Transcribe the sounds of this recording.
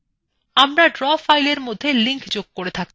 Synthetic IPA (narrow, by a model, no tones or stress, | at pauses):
amɾaɖɾɔfajleɾmod̪ʱːeliŋkd͡ʑoɡ̚koɾet̪ʰak̚